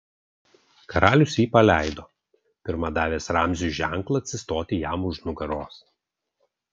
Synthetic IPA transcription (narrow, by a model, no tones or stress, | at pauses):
kɐɾɑːlʲʊsʲjiːpɐlʲæˑɪd̪oː | pʲɪɾmɐd̪ɑːʋʲeːsɾɑmʲzʲuʒʲæˑŋˑklˠɐɐt̪ʲsʲɪst̪oːt̪ʲɪjæmʊʃnʊɡɐɾoːs